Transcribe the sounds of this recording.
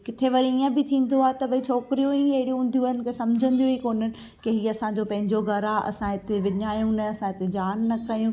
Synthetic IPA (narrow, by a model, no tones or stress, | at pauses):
kɪt̪ʰeʋɐɾiiːə̃bɪt̪ʰĩːn̆d̪oaːet̪ɐʋɐit͡ɕʰɔːkɪɾijoĩɐɦɪɽijõːn̆d̪ʱijũənɪ̆kʰesɐmd͡ʑʱə̃nd̪ijoikoːn̤ənɪ̆ | keɦiːɐsãd͡ʑopɐ̃ɦɪ̃ɲd͡ʑoɡʱɐɾaɐ̰sãɦɪt̪eʋɪɲaːjũnɐɐsãɦɪt̪ed͡ʑaːnːɐkɐjũː